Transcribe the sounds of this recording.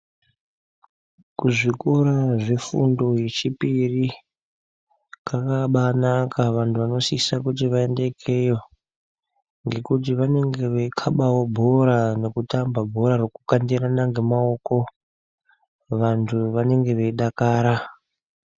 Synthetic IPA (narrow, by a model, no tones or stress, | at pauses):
kuʐikoɾaʐefṵndo̞je̞t͡ʃipiri | kakaɓanakaʋantʰuʋano̞sisakut̬iʋae̞nde̞kʰe̞jo | ŋɡe̞kut̬iʋane̞ŋɡe̞ʋeikʰaɓawo̞bʱo̞ɾane̞kutambabʱo̞ɾarokukandiɾanaŋɡe̞mao̞ko̞ | ʋantʰuʋane̞ŋɡe̞ʋe̞iɗakaːɾa